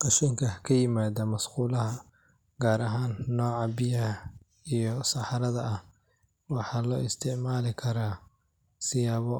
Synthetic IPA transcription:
qɑʃiːŋkʰɐkʰɐjɪmaːðɐmɐsquːlɐɦɐ | ɡaːɾɐɦaːnːɔːʕɑbɪjɐhɐ | ijɔsɑħɑɾɐðɐʔɐh | wɑħɑːlɔːɪst̪ʰɪʕmaːlɪkʰɐɾaː | sɪjaːβɔ

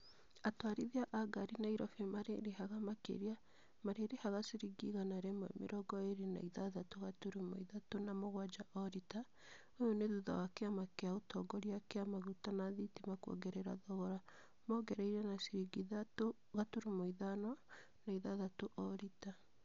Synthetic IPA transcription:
atwaɾiðiaʔaɡaɾinaiɾɔfemaɾeɾehaɣamakḛɾia | maɾeɾehaɣasiɾiɡiɣanaɾɛmwɛ̰mḛɾʔɔɡɔeɾena̰iðaðatoɣatuɾumo̰iðatonamoɣwad͡ʒaʔɔɾita | ojoneðuða̰wakeamakeaotʰɔɡɔɾiakeamaɣutanaðitimakuɔ̰ɡɛɾɛɾa̰ðɔɣɔɾa | mɔɡɛɾɛiɾɛnasiɾiɡiðato | ɣatuɾumoiðanɔ | naiðaðatoʔɔɾita

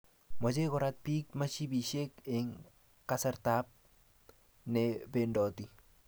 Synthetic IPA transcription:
mɔt͡ʃekɔɾat̪̚pik̚mat͡ʃibiʃekɪŋ | kasɛɾtap̚ | nɛbendɔti

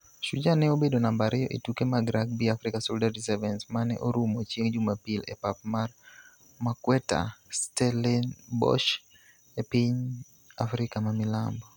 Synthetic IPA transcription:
ʃud͡ʒanɛobedonambaɾʔɛjɔʔḭtukɛmaɡɾaɡ̚biafɾikasɔldadisɛvɛnsmanɛ̰ʔɔɾumɔt͡ʃiŋd͡ʒumapilɛ̰pap̚mar | makwɛta̰stɛlɛnbɔ̰ʃ | ɛpiɲ | afɾikamamila̰mbɔ

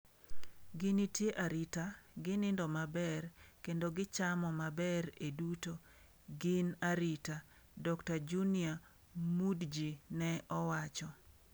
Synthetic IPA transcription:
ɡinitjeʔaɾɪtaɡɪnɪndɔmabɛrkendoɡɪt͡ʃamɔmabɛɾeduto | ɡinaɾɪta | dɔktad͡ʒunia | mudd͡ʒinɛʔɔwat͡ʃɔ

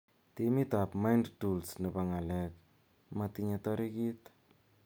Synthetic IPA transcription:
timitapmajndtulsnɨbaŋalɛk̚ | matiɲɛtɔɾikit

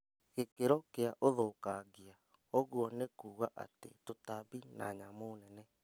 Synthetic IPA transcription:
ɣekeɾɔkeaʔoðokaɡea | ɔɣoɔnɛkuːɣaʔa̰tḛtotabina̰ɲamonɛnɛ

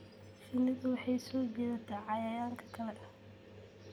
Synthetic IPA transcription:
sɪnːɪðʊwɑħɑjsɔːd͡ʒɛðɐt̪ʰaːʕɑjaːjaːŋkʰɐ̥kʰɐlɛʔɐh

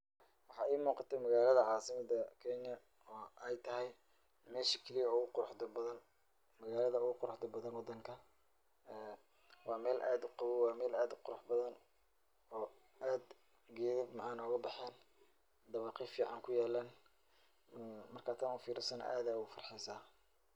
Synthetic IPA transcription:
wɑħɑːʔiːmuːqɑt̪ʰɛmɐɣaːlɐðɐʕɑːsɪmɐd̪ɐkʰɛɲjɐ | ɔːɛjt̪ʰɐɦɛj | mɛːʃɪkʰɐlijɐʊɣʊqʊɾʊħd̪ɐbɐðɐn | mɐɣaːlɐðɐʊɣʊqʊɾʊħd̪ɔbɐðɐnwɑd̪ɐŋkʰɐ | ɛː | wɑːmɛːlʔaːd̪ʊqɑwʊwɑːmɛːlaːd̪ʊqʊɾʊħbɐðɐn | ɔː | ʔaːd̪ | ɡɛːðɪbmɑʕaːnʊɣɐbɑħɛːn | d̪ɐβɑːqifiːʕɑŋkʰʊjaːlaːn | mɐrkʰaːt̪ʰɐnuːfiːɾɪsɐn̰ʔa̰ːðaːʊfɐrħɛjsaː

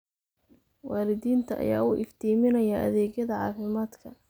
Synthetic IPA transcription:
wɑːlɪðiːnt̪ʰɐʔɐ̰ja̰ːuːʔɪft̪ʰiːmɪnɐjɐʔɐ̰ðɛːɡjɐðɐʕɑ̰ːfɪmaːd̪kʰɐ

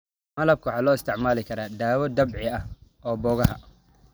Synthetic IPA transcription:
mɐlɐb̚kʰʊwħɑːlɔːɪst̪ʰɪʕmaːlɪkʰɐɾaːd̪aːwɔd̪ɐbʕɪɐ | ɔːbɔːɣɐɦɐ

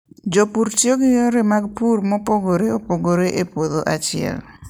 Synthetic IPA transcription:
d͡ʒopuɾt͡ʃjoɡɪjoɾemaɡ̚puɾmɔpoɡoɾeopoɡoɾeʔepwod̪oʔat͡ʃɪɛ̰l

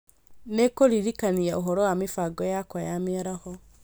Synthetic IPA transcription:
nekoɾiɾikaniaoɦɔɾɔwamefaɡɔjakwajamiaɾahɔ

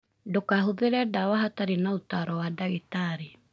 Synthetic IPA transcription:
dokaɦoðeɾɛdawahataɾinaotaɾɔwadaɣetaɾi

